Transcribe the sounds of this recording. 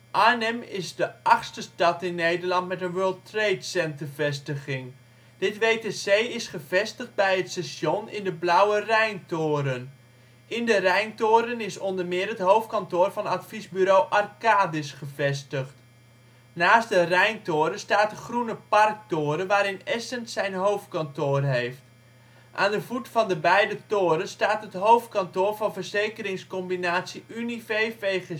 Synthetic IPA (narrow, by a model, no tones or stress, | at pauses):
ʔaːnɛmɪzdəʔɑχstəstɑtɪnːejdərlɑntmɛtənʋøːlˠtrejtsɛntərvɛstəχɪŋ | d̥ɪtʋeːtesejɪsχəvɛstəχd̚bɛjɦətsɛsjonɪ̰ndəblʌwərɛjntoːɾən | ɪndərɛjntoːɾənɪsɔndərmɪːɾətɦowftkɑntʊːrvɑnatfizbyɾowʔɑrkaːdɪsχəvɛstəχt | naːs̚dərɛjntoːɾəstaːtəχrunəpɑrk̚toːɾəʋaːɾɪnɛsəntsɛjnɦowftkɑntoːrɦejft | ʔa̰ːndəvutfɑndəbɛjdətoːɾənstaːtɦətɦowft̚kɑntoːrvɑnvərzejkəɾɪŋskɔmbinaːtsiʔynifejvej